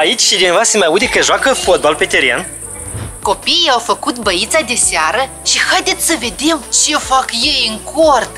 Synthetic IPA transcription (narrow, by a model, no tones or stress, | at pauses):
ait͡ʃʲʃid̪invasemajaud̪ekəʒoakəfot̪̚balpet̪eɾia̰n | ko̞piijawfəkut̪bəit̪sad̪e̞seaɾə | ʃihajd̪e̞t̪sʲsəve̞d̪e̞mt͡ʃefakjejɨŋkʰort̪